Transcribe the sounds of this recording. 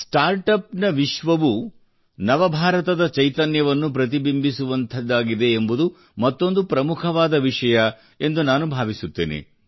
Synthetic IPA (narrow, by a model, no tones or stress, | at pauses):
sʈaːɾʈɐpnɐʋiʃʋɐʋu | nɐʋɐbʱaːɾɐt̪ɐd̪ɐt͡ʃɐjt̪ɐnjɐʋɐnːup̬ɾɐt̪̬ibimbisuʋɐnt̪ʰɐd̪ːaːɡid̪e̞ːmbud̪u | mɐt̪ːo̞nd̪upɾɐmukʰɐʋaːd̪ɐʋiʂɐjɐ | e̞nd̪unaːnubʱaːʋisut̪ːḛːnḛ